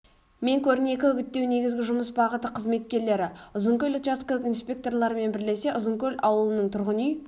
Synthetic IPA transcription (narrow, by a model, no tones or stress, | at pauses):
me̞ŋkʲʰɵɾɪne̞kʲɪʏɡʲɪt̪ːe̞wne̞ɡʲɪzɡʲɪʒʊməsbɑʁət̪əqʰəzme̞t̪̚kʲe̞ɾle̞ɾɪʊzəŋkʲɵlʲot̪askalˠəqinspʲe̞k̚t̪o̞rlˠɑɾəme̞nbɪɾle̞se̞ʔʊzəŋkʲʰɵlʲɑwəlˠənəɴt̪ʰʊɾʁənyj